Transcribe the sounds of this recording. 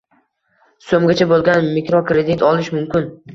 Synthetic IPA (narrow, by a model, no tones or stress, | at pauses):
somɡʲat͡ʃʰabolˠɡʲanmɪkɾɒkɾed̪ɪt̪ʰɒlˠɪʃmʊmkʲɪn